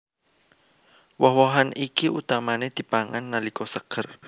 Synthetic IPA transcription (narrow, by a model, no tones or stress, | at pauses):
wɔɦwɔɦanikiut̪amaned̪̥i̤paŋanːalikɔsəɡ̥ər